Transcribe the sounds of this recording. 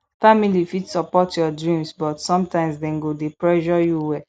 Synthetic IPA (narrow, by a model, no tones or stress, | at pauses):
familifitsɔpɔtʰjɔdɹĩmsbɔtsɔ̃mtãɪ̃msdɛ̃nɡodepɹɛʒɔjuwɛ